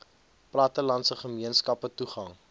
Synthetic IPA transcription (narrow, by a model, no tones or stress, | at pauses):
plɐtəlɐntsəχəmiənskɐpətuχɐŋ